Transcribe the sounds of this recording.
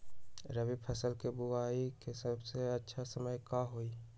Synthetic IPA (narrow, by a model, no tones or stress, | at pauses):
ɾəbipʰəsəlkebʊaːikesəbseətːʃʰasəməjkaɦoi